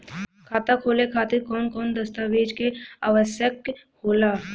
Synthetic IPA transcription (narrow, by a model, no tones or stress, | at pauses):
kʰaːt̪akʰoːlekʰaːt̪ɪɾkɔːnkɔːnd̪əst̪aʋeːd͡ʒkeaːʋəsjək | hoːlaː